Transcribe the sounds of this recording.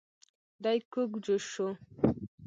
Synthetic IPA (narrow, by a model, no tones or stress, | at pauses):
dajkːoɡd͡ʒoʃo